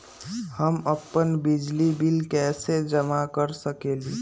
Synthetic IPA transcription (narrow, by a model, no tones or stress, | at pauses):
həməpːənbid͡ʒlibilkɛːsed͡ʒəmakəɾsəkeːli